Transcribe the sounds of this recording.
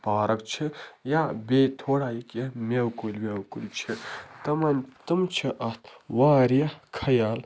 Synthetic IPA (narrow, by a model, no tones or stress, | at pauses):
paːɾɐkt͡ʃʰijabeːt̪ʰoːɽaːjikjɐmʲewkolmewkuɾit͡ʃʰit̪ɐmɐnt̪ɨmt͡ʃʰiʔɐt̪ʰwaːɾijɐkʰɐjaːl